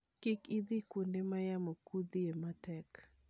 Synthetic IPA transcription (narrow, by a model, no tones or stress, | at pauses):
kɪkid̪ikundemajamokud̪iematɛk